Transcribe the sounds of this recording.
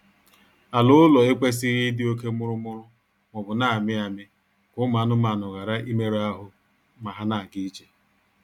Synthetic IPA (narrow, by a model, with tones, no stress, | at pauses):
a˨lʊ˦ʊ˦lɔ˨e˦kʷe˦s̬ɪ˦ɾi˦dɪ˦o˦ke˦mʊ˦ɾʊ˦mʊ˦ɾʊ˦ | ŋɔ˨bʊ˨na˦˨mɪ˦a˨mɪ˦ | kʊ˦ma˨˦nʊ˦ma˨nʊ˨ɣa˨ɾa˦ʔi˦me˦ɾa˦ɦʊ˦ | ma˨ɦa˦na˨a˨ɡi˦t͡ʃe˦